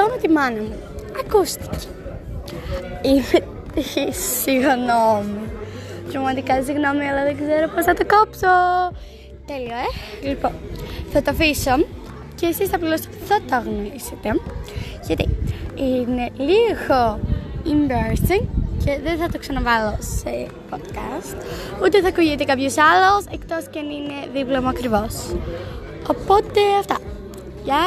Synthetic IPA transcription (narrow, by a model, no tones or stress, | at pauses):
onot̪imɐnɐmu | ɐkust̪i̥ce̥ | ine | t̪isiɣnomut̪ɾɐvmɐt̪ikɐsiɣno̞miɐlɐðeɡzeɾopo̞snɐt̪okopso | t̪elioe | liponθɐt̪ofiso | ceːsisθɐplilosot̪iθɐt̪oɐɣnoɾiset̪e̞ʝɐt̪ḭine̞liɣoinbeɾsiŋcʰe̞ðenθɐt̪oksɐnɐvɐlose | pod̪kɐst̪ut̪eθɐkuʝit̪ekɐpçusɐlosekt̪oscɐnine̞ðiplomuɐkɾivo̞s | opo̞t̪e̞ɐft̪ɐ | ʝɐ